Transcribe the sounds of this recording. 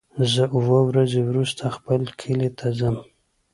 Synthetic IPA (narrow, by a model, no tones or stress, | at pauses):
zəuwəwɾazewɾust̪ʰaxpəlkʰilet̪ʰazəm